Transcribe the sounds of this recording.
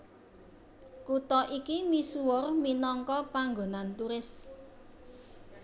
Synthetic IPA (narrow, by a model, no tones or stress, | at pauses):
kut̪ɔʔikimisuwʊrminɔŋkɔpaŋɡonant̪uɾɪs